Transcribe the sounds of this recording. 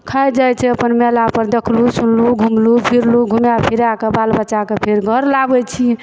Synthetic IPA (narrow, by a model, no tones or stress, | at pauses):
kʰajd͡ʒajt͡ʃʰɛəpənmelapəɾd̪ekʰlusunluɡʱumlupʰiɾluɡʱumjapʰiɾakebalbəːt͡ʃakepʰeɾɡʱəɾlabɛt͡ʃʰi